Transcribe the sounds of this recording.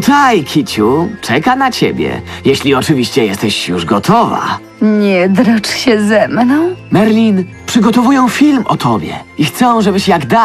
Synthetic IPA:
t̪ajkʲʰit͡ɕut͡ʂɛkanat͡ɕebʲjɛ̰jɛɕlʲiɔt͡ʂɘvʲiɕt͡ɕɛjɛst̪ɛɕjuʐɡɔt̪ʰɔva̰ | ɲɛd̪ɾɔt͡ʂɕɛzɛmnɔ̃w̃mɛɾlʲinpʂɘɡɔt̪ɔvujɔ̃w̃fʲilmɔ̰t̪ʰɔbʲjɛ̰ixt̪sɔ̃w̃ʐɛbɘɕjaɡd̪a

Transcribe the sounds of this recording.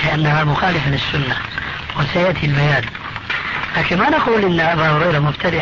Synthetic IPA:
lɪʔanːahamʊxaːlɪfalɪsːʊnːa | wɪsajaʔt̪ʰilbajaːn | laːkɪnmanaquːlʔɪnːʔabaːhʊɾɑjɾˤɑmʊbt̪ʰad̪ɪ

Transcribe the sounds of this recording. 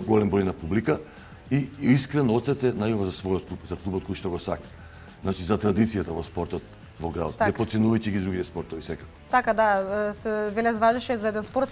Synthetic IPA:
ɡɔlɛmbɾɔjnapublika | iiskɾɛnɔt̪sɛt̪sɛnajɔvazasvɔjɔt̪kupzaklˠubɔt̪̚kɔjʃt̪ɔɡɔsakḁ | znat͡ʃizat̪ɾad̪it̪sijat̪avɔspɔɾt̪ɔt̪ | vɔɡɾad̪o̰t̪aɛpɔt̪sɛnuvajciɡid̪ɾuɡit̪ɛspɔɾt̪ɔvisɛkakɔ̥t̪akad̪asɛvɛlɛzvaʒɛʃɛzaɛd̪ɛnspɔɾt̪

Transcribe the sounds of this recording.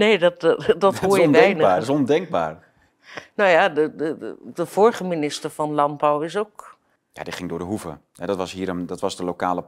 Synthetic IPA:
neːdɔtdɑtɦojənʋɛjnəaːsɔndɛŋɡ̚ba̰ːɹ | nojadədədəv̥ɔɹχəminɪstəɹv̥ɑnlɑnbawɪs̬ok | ja̰diχɪŋdʊːɹdəɦuvə̰ | ɦɛdɔtʋɑsɦiːɾəmdɔtʋɑsdəloka̰ːlə

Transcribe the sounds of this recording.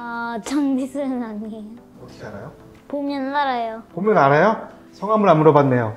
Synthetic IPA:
at͡ɕʌŋdisʰɯɾɯnane | ʌɕʰiaɾajo | pomjʌnnaɾajopomjʌnaɾajo | sʰʌŋɦamɯɭamuɾʌbanːe̞jo

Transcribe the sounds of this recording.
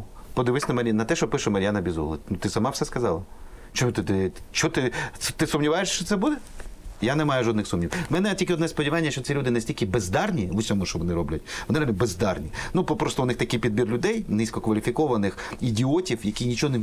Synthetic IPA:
pɔd̪ɪʋɪsʲnɐmɐɾʲnɐt̪ɛʃt͡ʃɔpɪʃʊmɐjanɐbʲizɔ̰lˠɐnʊt̪ɪsɐmɑfsɛskɐzɑlˠɐt͡ʃɔmut̪ɪt̪ɪt͡ʃɔt̪ɪt̪ɪsʊmnʲiʋajeʃʃt͡ʃɔt̪sɛbud̪ɛjanɛmɑjʊʒɔd̪nɪxsumnʲiwmɛnɛtʲilʲkʲɪɔd̪nɛspɔdʲiʋɑnʲːɐʃt͡ʃɔt̪ʲilʲud̪ɪnɐsʲtʲilʲkɪbezd̪ɑrnʲiʊsʲɔmuʃt͡ʃɔʋɔnɪɾɔblʲɐtʲʋɔnɪɾɐmʲɪbezd̪ɑrnʲinuppɾɔst̪ɔʊnɪxt̪ɐkɪjpʲid̪̚bʲirlʲʊd̪ɛjnɪsʲkɔkʋɐlʲifʲikɔʋɐnɪxidʲiɔtʲiwjɐkʲijnʲit͡ʃɔɦɔn

